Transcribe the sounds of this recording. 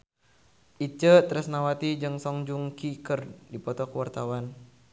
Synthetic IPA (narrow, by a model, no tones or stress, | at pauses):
ʔit͡ʃət̪ɾəsnawat̪id͡ʒɨŋsɔŋd͡ʒuŋkikərdipɔt̪ɔkəwart̪awan